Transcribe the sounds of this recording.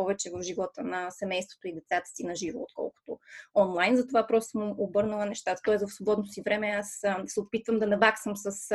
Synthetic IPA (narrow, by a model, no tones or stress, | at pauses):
pɔvɛt͡ʃɛvəfʒivɔt̪ənɐsɛmɛjst̪vo̥t̪oid̪ɛt̪sat̪ə̥sinɐʒiɾo̰ːt̪kɔ̰lˠkʊ̥t̪o̰ɔnlˠajnzɐt̪ovapɾɔst̪səmobɤɾnəlˠənɛʃt̪at̪ə̥t̪ɔɛzəfsvobɔd̪not̪osivɾɛmɛassɛopit̪vəmd̪ɐnɐbaksəmsəs